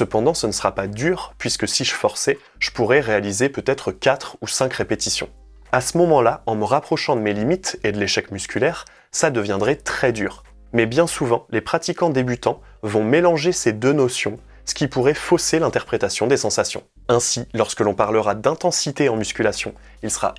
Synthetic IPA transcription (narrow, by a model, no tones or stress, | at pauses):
səpɑ̃d̪ɑ̃sənəsəʁapad̪yʁpɥiskəsiʒəfɔʁsɛ | ʒ̥əpuʁɛʁealizepøt̪ɛt̪χəkʲat̪χusɛ̃kʁepet̪isjɔ̰̃ | asəmɔmɑ̃laɑ̃məʁapχɔʃɑ̃d̪əmelimit̪ed̪əleʃɛkmyskʲylɛːʁ | sad̪əvjɛ̃d̪ʁɛt̪χɛd̪yːʁ | mɛbjɛ̃suvɑ̃lepχat̪ikɑ̃d̪ebyt̪ɑ̃ | vɔ̃melɑ̃ʒesed̪ønɔsjɔ̃ | sə̥kʲipuʁɛfɔselɛ̃t̪ɛʁpχet̪asjɔ̃d̪esɑ̃sasjɔ̰̃ | ɛ̃silɔʁskəlɔ̃paʁləʁad̪ɛ̃t̪ɑ̃sit̪eɑ̃myskʲylasjɔ̃ | ilsə̥ʁa̰